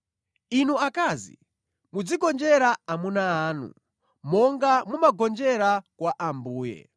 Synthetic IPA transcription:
inuakazḭ | mud͡ziɡɔnd͡ʒɛɾaamunaːnṵ | mɔŋɡamumaɡɔnd͡ʒɛɾakwaʔambuːjɛ̰

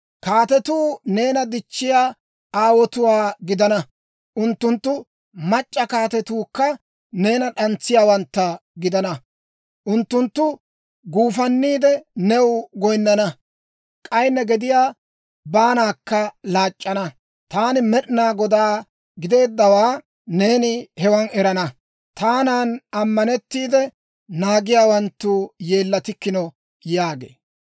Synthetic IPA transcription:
kaːt̪ɛt̪uːne̞ːnɐd̪ɪt͡ʃːɪjaː | aːwɔt̪ʊwaːɡɪd̪ɐnɐ | ʔʊnt̪ːʊnt̪ːʊ | mɐt͡ʃʼːɐkaːt̪ɛt̪uːkːɐ | ne̞ːnɐɗɐnt͡sːɪjaːwɐnt̪ːɐɡɪd̪ɐnɐ | ʔʊnt̪ːʊnt̪ːʊ | ɡuːfɐnːiːd̪ɛnɛwɡɔjnːɐnɐ | kʼɐjnːɛɡɛd̪ɪjaː | baːnaːkːɐlaːt͡ʃʼːɐnɐ | t̪aːnɪmɛɗnaːɡɔd̪aː | ɡɪd̪e̞ːd̪ːɐwaː | ne̞ːnɪhɛwɐnɛɾɐnɐ | t̪aːnaːnɐmːɐnɛt̪ːiːd̪ɛ | naːɡɪjaːwɐnt̪ːuːje̞ːlːɐt̪ɪkːɪnɔ | jaːɡe̞̰ː

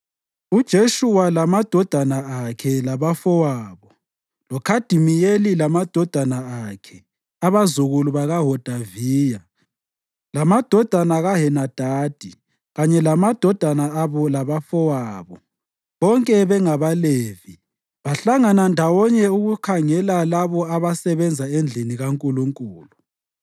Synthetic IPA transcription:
ud̥ʒ̥ʱeʃuwalamad̥ʱɔd̥ʱanaakʰɛlaβafɔwaːβɔ | lɔkʰad̥ʱimijelilamad̥ʱɔd̥ʱanaakʰɛ | aβazuɣuluβaɣaɦɔd̥ʱaviːja | lamad̥ʱɔd̥ʱanaɣaɦɛnad̥ʱaːd̥ʱi | ɣaɲɛlamad̥ʱɔd̥ʱanaaβɔlaβafɔwaːβɔ | βɔŋkʼɛβɛŋaβaleːvi | βaɬaŋanandʱawɔɲɛuɣukʰaŋɛlalaβɔaβasɛβɛnd͡zʱaɛnd͡ɮʱiniɣaŋkʼuluŋkʼuːlu

